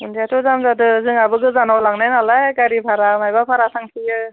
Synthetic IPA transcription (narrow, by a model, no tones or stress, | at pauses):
ɯndiatɔzamzadɯzɯŋabɯɡɯzanawlaŋnajnalajɡaɾibʱʰaɾamajbapʰaɾasaŋsʰijɯ